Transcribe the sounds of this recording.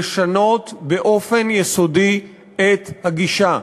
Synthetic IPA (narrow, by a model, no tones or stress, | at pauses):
ʃano̞t̪be̞ʔo̞fe̞njeso̞di | et̪haɡiʃa